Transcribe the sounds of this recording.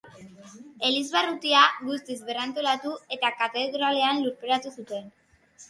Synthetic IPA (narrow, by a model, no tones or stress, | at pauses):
e̞lizβarut̪iaɡust̪izβe̞rant̪o̞lat̪ue̞t̪akat̪e̞ðɾale̞anluɾpeɾat̪usut̪e̞n